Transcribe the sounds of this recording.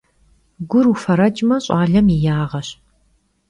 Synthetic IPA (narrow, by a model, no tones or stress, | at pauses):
ɡʷʊrufɐɾɐt͡ʃʼmɐɕʼaːɮɐmijaːʁɐɕ